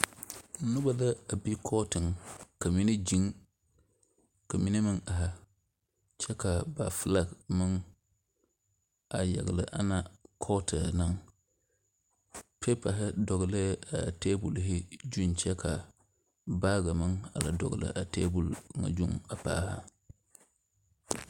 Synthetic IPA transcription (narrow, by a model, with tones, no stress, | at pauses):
nʊ˦ba˨la˦a˨bi˦kʰɔː˦tɨ˨ŋka˨mi˦ne˦d͡ʒi˦ŋ | ka˨mi˦ne˦mɨ˦ŋa˨ɦa˨ | t͡ʃɛ˦ka˨ba˨fɨ˦la˦ɡmɨ˦ŋ | a˨ja̰˨ɡlɨ̰˨ʔa̰˦na˦kʰɔ˦tʰɨ˨na˨ŋ | pʰe˦pa˨ɦɪ˦dɔ˨ɡlə˦a˨teː˦bu˨lɦɪ˦d͡ʒu˦nt͡ʃɛ˦ka˨ | ba˦ɡa˨mɨ˦ŋa̰˨la̰˨dɔ̰˨ɡlɨ̰˨ʔa˨tḛː˦bu˨lŋa̰˨d͡ʒu˦ŋa˨pa̰ː˦ha̰˦